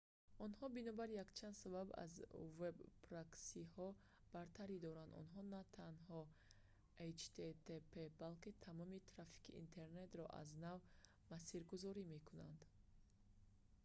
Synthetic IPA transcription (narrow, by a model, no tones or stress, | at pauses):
ɔnhɔbinɔbaɾjakt͡ʃʰand̪sababa̰zvebpʰɾaksihɔ | b̥aɾt̪ʰaɾid̪ɔɾand̪ɔ̰nɦɔnat̪ʰanɦɔ | ejt͡ʃt̪ʰet̪ʰepʰebalkit̪ʰamɔmit̪ʰɾafi̥kʰḭʔːnt̪ʰe̞ɾne̞t̪ɾɔ̰ʔa̰znav | masiɾɡuzɔɾime̞kʰunand̪